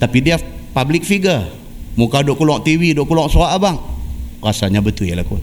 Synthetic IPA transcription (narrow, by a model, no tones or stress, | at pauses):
t̪apidiapablik̚fiɡə | mukadoʔkulɔʔt̪iwidoʔkulɔʔsuaʔbaŋrasaɲabət̪ujlaku